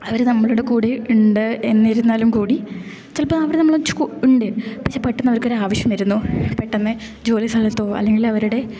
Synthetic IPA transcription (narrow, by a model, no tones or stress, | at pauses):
ɐʋɐɾnɐmːɐɭuɽekuːɽeuɳɖɨenːiɾunːaːlumkuːɽi | t͡ɕɐlpoɐʋɐɾnɐmːɐɭot͡ɕːu̥kuuɳɖepɐkɕepɐʈːɐnːɐʋɐɾkːoɾaːʋɐɕjɐmɐɾunːopɐʈːɐnːɨ | d͡ʑo̞ːlisɐlɐt̪ːo̞ːɐ̰lːe̞ŋɡilɐʋɐɾuɽe̞